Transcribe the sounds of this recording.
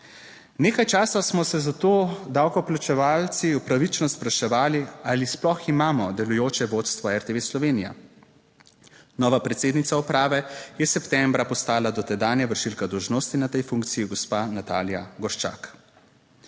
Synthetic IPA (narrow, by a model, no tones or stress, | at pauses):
neːkajt͡ʃaːsasmɔsɛzat̪oːd̪awkɔplat͡ʃɛʋaːlt̪siwpɾaʋit͡ʃnɔspɾaʃɛʋaːlialisplɔximaːmɔd̪ɛlujoːt͡ʃɛʋoːt̪st̪ʋɔɛɾt̪eʋeːslɔʋeːnija̰ | nɔːʋapɾɛt̪seːd̪nit̪saɔpɾaːʋɛjɛsɛpt̪ɛmbɾapɔst̪aːlad̪ɔt̪ɛd̪aːnjɛʋəɾʃilkad̪ɔwʒnoːst̪inat̪ɛjfuŋkt̪sijiɡɔspanat̪a̰ːljaɡɔɾʃt͡ʃa̰ːk